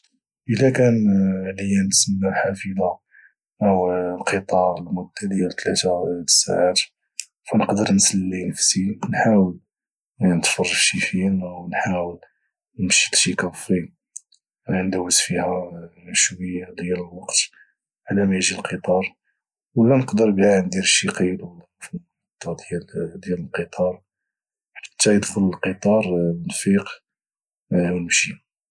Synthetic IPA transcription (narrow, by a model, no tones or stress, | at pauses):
ʔəlækænʕləjænt̪səmːalħafila | ʔəwlqʰət̪ˤɑɾˤəlmʊd̪ːæd̪əjælt̪ʰlæt̪aə̥sa̰ʕaɾ | fænəqd̪əɾnsəlːinəfsinħawəl | nət̪fɑrˤːɑʃifimwnħawəl | nəmʃi̥lʃikæfɾi | nd̪æwːəsfihæʃwəjːad̪jæləlwɑqt̪ | ʕlæmæjʒilqʰət̪ˤɑɾˤ | wlːænəqd̪əɾbihæʕnd̪iɾʃːiqilw | fm | t̪ːɑt̪ˤjæld̪jæləlqət̪ˤʰɑɾˤ | ħḁt̪ʰːæjəd̪xələlqət̪ˤɑɾˤənfiq | wnəmʃi